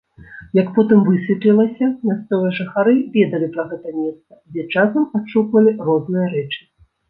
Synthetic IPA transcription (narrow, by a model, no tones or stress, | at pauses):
jɐkpɔt̪ɨmvɨsʲvʲipʲlʲilˠɐsʲɐmʲast̪sɔvɨjɐʐɨxaɾɨvʲɛd̪ɐlʲipɾɐɣɛt̪ɐmʲɛst̪sɐd͡zʲɛt͡ʂasɐmaʂukvɐlʲirɔznɨjɐɾɛt͡ʂɨ̥